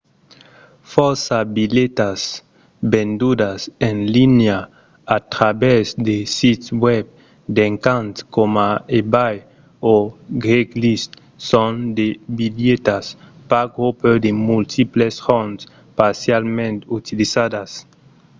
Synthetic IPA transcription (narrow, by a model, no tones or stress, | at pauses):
fɔɾsabilet̪as | bend̪ud̪asenlinja | at̪ɾabɛsd̪esit̪wɛb̚ | d̪eŋkant̪skomaebaj | oɡɾeklist̪ | sõnd̪ebiljet̪aspaɡɾuped̪emult̪ʰiplesfɔns | paɾsjalmẽnt̪ut̪ilisad̪as